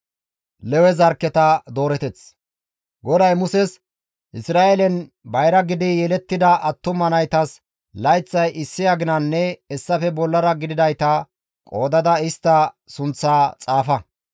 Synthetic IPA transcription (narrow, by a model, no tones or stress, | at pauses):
lɛwɛzɐɾkːɛt̪ɐd̪o̞ːɾɛt̪ɛt͡s | ɡɔd̪ɐjmʊsɛs | ʔɪsɾaːʔelɛn | bɐjɾɐɡɪd̪ɪjɛlɛt̪ːɪd̪ɐʔɐt̪ːʊmɐnɐjt̪ɐs | lɐjt͡sːɐjʔɪsːɪjaɡɪnɐnːɛɛsːɐfɛbɔlːɐɾɐɡɪd̪ɪd̪ɐjt̪ɐ | kʼo̞ːd̪ɐd̪ɐɪst̪ːɐ | sʊnt͡sːaːt͡sʼaːfɐ